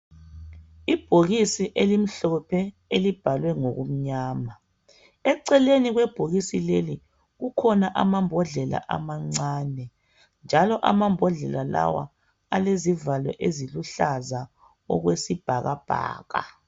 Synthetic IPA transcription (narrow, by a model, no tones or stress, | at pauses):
ib̥ʱoɣisiʔelim̩ɬɔpʰɛ | elib̥ʱalwɛŋoɣum̩ɲaːma | ɛǀɛleniɣwɛb̥ʱoɣisileli | ɣukʰɔnaʔamambʱɔɮɛla̰ʔa̰maŋ͡ǀaːnɛ | nd͡ʒʱalɔʔamambʱɔɮɛlala̰wa̰ | alezivalɛ̰ʔeziluɬaza | ɔ̰ɣwesib̥ʱaɣab̥ʱa̰ːɣa̰